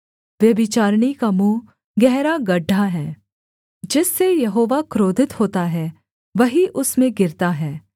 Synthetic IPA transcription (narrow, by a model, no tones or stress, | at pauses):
ʋjɐbit͡ʃaːɾɽ̃ikamũː | ɡɛɦɾaɡɐɖʱːaɦɛː | d͡ʒɪsːejɐɦoːʋakɾoːd̪ʱɪt̪hoːt̪aɦɛː | ʋɐɦiʔʊsmẽɡɪɾt̪aɦɛː